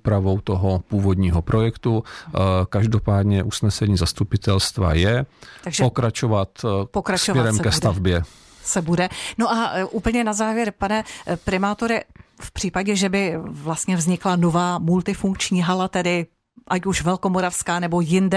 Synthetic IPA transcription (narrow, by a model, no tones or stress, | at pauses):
upɾavowt̪oɦopuːvod̪ɲiːɦopɾojɛkt̪u | kaʒdopaːd̪ɲɛʔusnɛsɛɲiːzast̪upɪt̪ɛlst̪va̰jɛt̪aɡʒɛpokɾat͡ʃovat̪pokɾast͡ʃomɛɾɛmskɛst̪avbjɛ | sɛbudɛno̞ʔaʔuːpl̩ɲɛnazaːvjɛɾpanɛpɾɪmaːt̪oɾɪfpr̥iːpaɟɛʒɛbɪvlast̪ɲɛvzɲɪklanovaːmult̪ɪfuŋk̚t͡ʃɲiːɦalat̪ɛdɪ | ʔacuʃvɛlko̞mo̞ɾafskaːnɛbo̞jɪndɛ